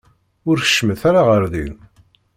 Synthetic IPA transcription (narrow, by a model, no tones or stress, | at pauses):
ʊɾθə̥ʃːməθaɾaʁəɾðḭð